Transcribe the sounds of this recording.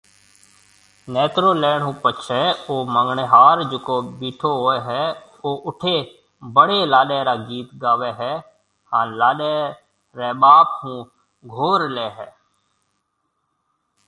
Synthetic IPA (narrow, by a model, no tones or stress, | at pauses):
nɛːt̪ɾoːlɛːɳɦũːpət͡ʃʰɛːoːməŋɡɳeɦaːɾd͡ʒʊkoːbiːʈʰoːɦoːeːɦɛː | oːʔʊʈʰeː | bəɽeːlaːɗɛːɾaːɡiːt̪ɡaːʋeːɦɛː | hãːnlaːɗɛː | ɾɛːɓaːphũː | ɡʱoːɾlɛːɦɛː